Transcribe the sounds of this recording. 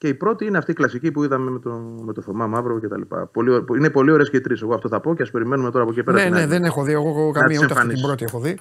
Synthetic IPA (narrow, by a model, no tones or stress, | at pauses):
ce̞ipɾo̞t̪iineɐft̪iklɐsicipuiðɐme̞met̪omet̪oθomɐmɐvɾocet̪ɐ̰lipɐ̰polioine̞po̞lio̞ɾeɐsceit̪ɾiseɣoɐft̪o̞θɐpo̞ceɐspe̞ɾimenume̞t̪o̞ɾɐpokieipeɐeneðenexoðieɣokɐmiuset̪eɐfɐnisisbɾot̪iexoði